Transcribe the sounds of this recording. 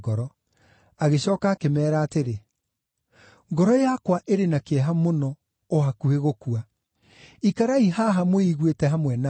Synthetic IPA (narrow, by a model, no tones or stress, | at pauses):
ɡɔɾɔ | aɣeɕɔːkaːkemɛːɾaːteɾe | ŋɡɔɾɔjakwaʔeɾenakeɛɦamonɔ | oɦakueɣokua | ikaɾaiɦaɦamoiɣwetɛɦamwɛna